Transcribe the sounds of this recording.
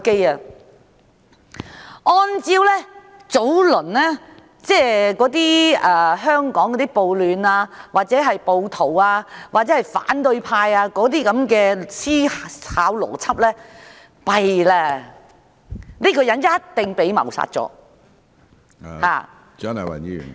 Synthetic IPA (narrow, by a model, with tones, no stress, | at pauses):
ke˥ja˨ | ʔɔː˧nt͡siː˧wlɛː˥ | t͡so˨˥wlɵ˨˩nlɛː˥ | t͡sɛː˥kɔː˨˥t̪̬iː˥ɛː˨˩ɦœː˥ŋkɔː˨˥ŋkɔ˨˧˥t̪iː˥po˨˧wlyː˨naː˧waː˨t̚t͡sɛː˨˥ɦɐ˨jpo˧wt̪ʰo˨˩waː˧wʔaː˨t̚ɛː˨˦˥hɐ˨jfa̰ː˨˥nt̪ɵ˧ɥpʰaː˧jaː˧kɔː˨˥t̪̬iː˥kɐ˨˥mkɛː˧siː˥haː˨˥wlɔ̰ː˨˩t͡sʰɐ˥p̚lɛː˥ | pɐ˨jlɛː˧ | niː˥kɔː˧jɐ˨˥njɐ˥t̚t̪ɪ˨ŋpe˨˥jmɐ̰˨˩wsa̰ː˧t̚t͡sɔ̰ː˨˧˥ | ha̰ː˨ | t͡ʃœ˥nɐ˨wɐ̰˨˩nḭ˨